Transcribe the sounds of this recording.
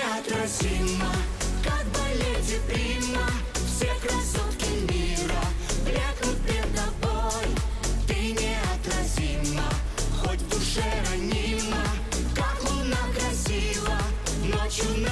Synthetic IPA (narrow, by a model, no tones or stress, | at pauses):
ɐt̪ɾɐsʲimə | kak̚bɨlʲetʲɪpɾʲimə | fsʲekɾɐsot̪kʲɪmʲiɾə | pɾʲaknʊt̚ʲpʲɾʲɪd̪ːɐboj | t̪ɨnʲɪ | ɐt̪ɾɐsʲimːə | xotʲbʊʂɛɾɐnʲi | mə | kakʊnaɡɾɐsʲilˠə | not͡ɕʊn